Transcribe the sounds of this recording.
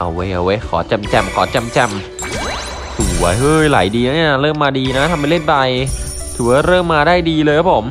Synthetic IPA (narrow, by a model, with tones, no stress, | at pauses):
ʔa̰˧wːe˦˥jʔa˧we˦˥kʰɔ̰ː˩˦t͡ɕɛ˧mt͡ɕɛ˧mkʰɔː˩˦t͡ɕɛ˧mt͡ɕɛ˧m | sʰu˨hu˨˩˦ɐ˦jhɤː˧˩jlaː˩˦jdiː˧la˦˥ni˦˥˩ɾɤː˥˩mːaː˧diː˧na˦˥t̪ʰa˧mpa˧le˥˩nt̚ba˧j | t̪ʰɯː˩˦waː˥˩ɾɤː˥˩mːaː˧daː˥˩jdiː˧lɤː˧jkʰa˦˥pʰo˩˦m